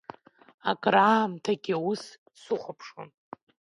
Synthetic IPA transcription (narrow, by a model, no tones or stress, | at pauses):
akʼraːmtʰaɡʲiawus | suχʷapʰʂo̰n